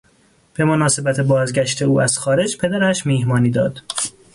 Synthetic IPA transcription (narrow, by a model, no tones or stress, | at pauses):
b̥e̞monɒːse̞bæt̪ʰe̞bɒːzɟæʃt̪ʰe̞uːæz̥xɒːɾe̞d͡ʒpʰe̞d̪æɾæʃmiːhmɒːniːd̪ɒːd̪̥